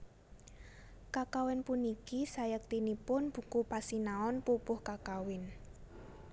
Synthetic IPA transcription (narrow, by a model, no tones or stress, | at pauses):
kakawɪnpunikisajək̚t̪inipʊnb̥ṳkupasinaɔnpupʊhkakawɪn